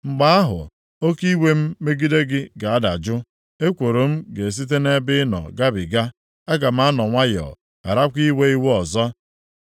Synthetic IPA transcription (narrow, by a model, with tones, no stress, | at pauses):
ŋ͡m̩˨ɡ͡ba˦a˦ɦʊ̰˨ | o˦ki˦we˦m̩˦me˦ɡi˦de˦ɡɪ˦ɡa˨a˦da̰˨d͡ʒʊ˦ | e˦kʷo˨ɾo˨m̩˦ɡe˨s̬i˦t̬e˦ne˦bɪ˦nɔ̰˨ɡa˦bɪ˨ɡa˦ | a˦ɡa˨m̩˦a˦nɔ˨ŋʷa˦jɔ̰˨ | a̰˨ɾa˦kʷi˦we˦i˦wɔ˨zɔ˦